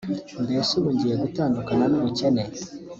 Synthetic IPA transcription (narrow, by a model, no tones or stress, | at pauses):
ndeːsuβuɲɟiɾeɡutaːndukananuβucene